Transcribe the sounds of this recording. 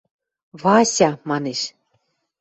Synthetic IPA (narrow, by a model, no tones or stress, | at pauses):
βɑsʲɑmɑneʃ